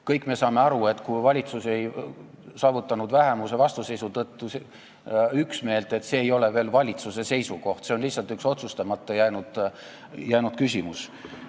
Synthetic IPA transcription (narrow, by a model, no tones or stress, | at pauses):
kɤjkːˑme̞sɑːme̞ɑɾue̞t̪ːˑkujvɑlʲit̪suse̞j | sɑːvut̪ːˑɑnud̪væɦemusevɑst̪use̞jsut̪ɤt̪ːuse | yksme̞ːlt̪ˑe̞t̪ːse̞ːjo̞le̞ve̞ːlvɑlʲit̪suse̞se̞jsuko̞ht̪se̞o̞nlisːɑlt̪ykso̞t̪sust̪ɑmɑt̪ːˑejæjnud̪̥ | jæjnud̪̥kysʲimus